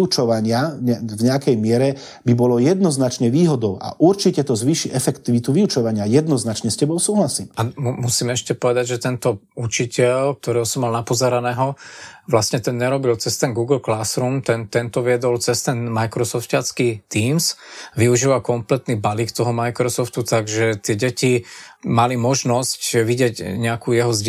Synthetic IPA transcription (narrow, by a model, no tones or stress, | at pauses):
ut͡ʃɔʋaɲɪaɲɛvɲɛakɛjmɪɛɾɛ | bibɔlɔjɛd̪nɔznat͡ʃɲɛʋiːɦɔd̪ɔʊʔa̰ʔuɾt͡ʃicɛt̪ɔzʋiːʃiʔɛfɛkt̪iʋit̪uʋiut͡ʃɔʋaɲɪajɛd̪nɔznat͡ʃɲɛscɛbɔʊsuːɦlasimammusiːmɛʃcɛpɔʋɛd̪aɟʒɛt̪ɛnt̪ɔ | ut͡ʃicɛlk̚t̪ɔɾɛːɦɔsɔmːalnapɔzɛɾanɛːɦɔʋlasɲɛt̪ɛnɲɛɾɔbilt͡sɛst̪ɛnɡuːɡl̩klasɾuːmt̪ɛnt̪ɛnt̪ɔʋɪɛd̪ɔlt͡sɛst̪ɛnmajkɾɔsɔft̪cat͡skiːt̪iːmsʋiuʒiːʋakɔmplɛt̪nibaliːkt̪ɔɦɔmajkɾɔsɔft̪ut̪aɡʒɛt̪ɪɛɟɛcimalimɔʒnɔscʋiɟɪɛɟɲɛakuːjɛɦɔz